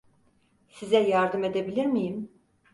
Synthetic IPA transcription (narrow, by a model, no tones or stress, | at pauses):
sizɛjaɾd̪ɯme̞d̪ebilʲiɾmijim